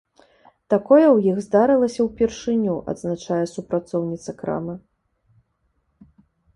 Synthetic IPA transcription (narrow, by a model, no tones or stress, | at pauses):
t̪akɔjɛwjiɣzd̪aɾɨlˠɐsʲɐwpʲɛrʂɨnʲuʔɐ̰d̪znat͡ʂajɛsupɾat̪sɔwnʲit̪sɐkɾa̰mɨ